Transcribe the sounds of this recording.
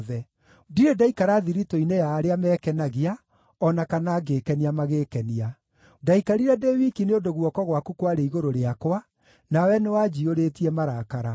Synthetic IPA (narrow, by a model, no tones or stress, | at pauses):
ðɛ | diɾedaikaɾaðiɾitoinejaːɾeamɛkɛnaɣia | ɔnakanaːɡeːkɛniamaɣekɛnia | daikaɾiɾɛdewikineodoɣwɔkɔɣwakukwaɾeiɣoɾoɾeakwa | nawɛnewad͡ʒioɾetiɛmaɾakaɾa